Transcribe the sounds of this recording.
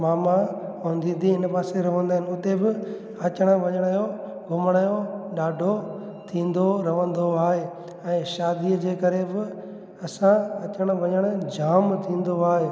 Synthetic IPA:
maːmaõnd̪ʱĩːnd̪ʱiɪnpaːseɾɐʋə̃nd̪aːɦɪnɪʊt̪ebɪ | ɐt͡ɕəɽ̃əʋɐɲəɽ̃ajo | ɡʱʊməɽ̃əjoɗaːɖʱo | t̪ʰĩːn̆d̪oɾɐʋə̃nd̪oaːɦe | ɛ̃ːʃaːd̪iəd͡ʑeːkɐɾebɪ | ɐsãɐt͡ɕəɽ̃əʋɐɲəɽ̃əd͡ʑaːmt̪ʰĩːn̆d̪oaːɦeː

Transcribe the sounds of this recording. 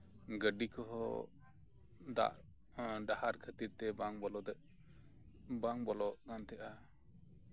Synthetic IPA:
ɡəɖikɔɦɔ̰ | d̪a̰ʔ | ɖahaɾkʰət̪iɾt̪ɛbaŋbɔlɔd̪ɛʔ | baŋbɔlɔʔɡant̪ɛʔa

